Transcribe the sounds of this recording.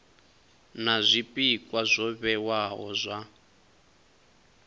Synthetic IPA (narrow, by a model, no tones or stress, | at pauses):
nazʷipʼikʼwazʷɔβɛwaɦɔ̰zʷa